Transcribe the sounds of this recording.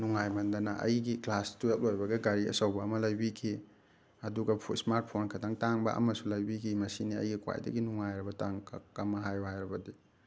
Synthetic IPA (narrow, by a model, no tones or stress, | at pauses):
nuŋajmɐndɐnɐʔɐ̰jɡiklastuep̚lojbɐɡɐɡaɾiɐ̰sɐwbɐːmɐlɐjbikʰi | ɐduɡɐpʰusmaɾt̚pʰonkʰɐdaŋtaŋbɐ̰ʔɐ̰mɐsulɐjbikʰimɐsiniɐ̰jɡikwa̰jdɐ̰ɡinuŋajɾɐbɐtaŋkʰkamːɐɦajbɐhajɾɐbɐdi